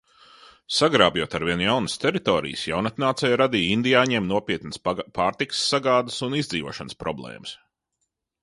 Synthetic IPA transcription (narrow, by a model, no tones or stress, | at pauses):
saɡɾaːbjuɔt̪aɾviɛnjawnəst̪ɛɾit̪oːɾḭjəsjawnat̪naːt̪sɛjɾad̪iːind̪ijaːɲiɛmnuɔpʲiɛt̪nəspaːɾt̪iksːaɡaːd̪ɨsunizd̪ziːʋuɔʃanspɾɔblˠɛ̰ːməs